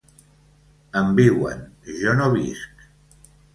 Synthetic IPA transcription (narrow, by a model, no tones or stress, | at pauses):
əmbiwə̰nʒɔnoβḭsk